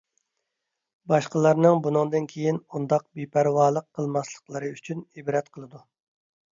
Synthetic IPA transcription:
bɑʃqəlˠɑɾnɨŋbunɨŋd̪ɨnkʲʰejinund̪ɑq̚bipʰæɾwɑːlˠəqʰːəlˠmɑslˠə̥qlˠəɾɨyt͡ʃʰynibɾɛt̪̚qʰəlˠɨd̪u

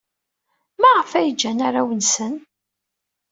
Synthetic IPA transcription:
mæʁəfæjəd͡ʒːænaɾawənsən

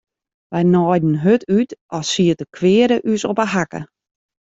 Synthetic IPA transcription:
ʋɛjnɔjdn̩ɦøtʰytɔsiətəkʰʋɪəɾəʔysopəɦakə̰

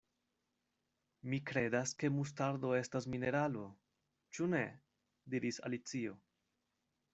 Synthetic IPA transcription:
mikɾe̞daske̞mus̬taɾdo̞e̞stasmine̞ɾalo̞ | t͡ʃune̞ | diɾisa̰lit͡sio̞

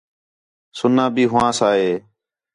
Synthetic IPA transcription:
sʊnãːbiːɦʊʋãːsaːɦeː

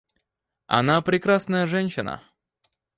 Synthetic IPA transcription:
ɐ̰napɾʲɪkɾasnəjəʐɛnʲɕɪnə̰

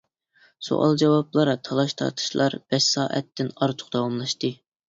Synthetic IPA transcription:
so̰ʔɑ̰lˠd͡ʒɑwɑplˠɑɾɑt̪ʰɑlˠɑʃt̪ʰɑ̰ɾt̪ʰɨ̥ʃlˠɑɾb̥ɛʃsɑːʔɛ̰t̪ːɪnɑɾt̪ʰʊ̥χd̪ɑwɑmlˠɑʃt̪ɨ

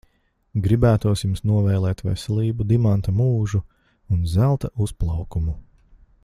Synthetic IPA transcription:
ɡɾibæːt̪uɔsʲjumsnuɔvɛjlˠɛːt̪ʋɛ̰sɛlˠiːbud̪imant̪ɐmuːʒu | unzælˠt̪ausplˠawkumu

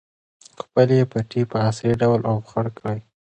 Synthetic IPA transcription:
xpəlepaʈipəasɾiɖawlʔawxaɽkɽaj

